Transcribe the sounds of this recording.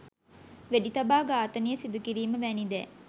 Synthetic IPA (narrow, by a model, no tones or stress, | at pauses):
ʋeɖit̪ɐbaːɡaːt̪ɐnijəsid̪ukiɾiːməʋæːnid̪ɛ̰ː